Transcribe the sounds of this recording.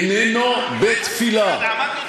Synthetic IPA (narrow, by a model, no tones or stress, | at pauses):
nenɔbet̪fila